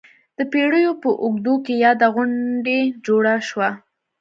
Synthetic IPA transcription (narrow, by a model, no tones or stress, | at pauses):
d̪̥əpeɽəjopəʔʊɡd̪okejɑd̪aɣʊɳɖed͡ʒoɽaʃwa